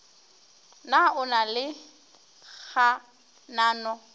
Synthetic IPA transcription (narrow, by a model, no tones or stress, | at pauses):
naʊnalɪ | ɣa | naːnɔ